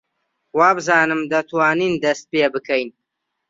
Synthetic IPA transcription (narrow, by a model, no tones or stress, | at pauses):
waːbɨzaːnɨmd̪ɐt̪waːniːnd̪ɐst̪̚peːbɨkʰɐjn